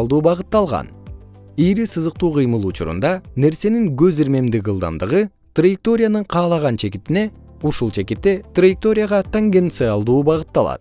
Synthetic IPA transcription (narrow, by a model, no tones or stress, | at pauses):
lˠd̪uːbɑʁɯt̪ːɑlˠʁɑ̰nijɾisɯzɯq̚t̪uːqʰɯjmɯlˠut͡ʃuɾṵnd̪ɑne̞ɾse̞niŋɡøziɾme̞md̪iɡɯlˠd̪ɑ̰nd̪ɯʁɯ | t̪rajɪk̚t̪o̞ɾʲɪjanɯɴqʰɑːlˠɑʁɑnt͡ʃʰe̞kit̪ine̞ | uʃulˠt͡ʃʰe̞kit̪ːe̞t̪rajɪk̚t̪o̞ɾʲɪjaʁɑt̪aŋɡent̪sɨɑlˠd̪uːbɑʁɯt̪ːɑlˠɑ̰t̪̚